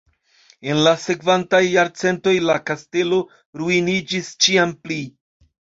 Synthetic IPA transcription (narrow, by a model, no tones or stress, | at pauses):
e̞nlase̞kvantajːaɾt͡se̞nto̞jlakaste̞lo̞ | ɾuinid͡ʒist͡ʃiampli